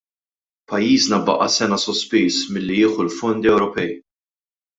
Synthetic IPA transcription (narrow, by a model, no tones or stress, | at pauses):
pɐjːiːznɐbɐ̰ʔɐ̰sɛnɐsɔspiːsmɪlːijɪːħulfɔnd̪iɛwɾɔpɛj